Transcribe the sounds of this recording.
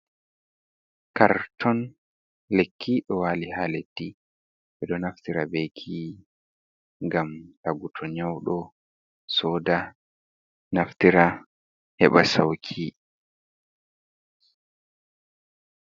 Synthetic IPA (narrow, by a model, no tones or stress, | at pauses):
kaɾtʰɔn | lekʰːiɗɔwaːlihaːledi | ɓɛɗɔnaftiɾabekʰi | ŋɡamɗaɡutʰɔɲawɗɔ | sɔːda | naftiɾa | hɛɓasawkʰi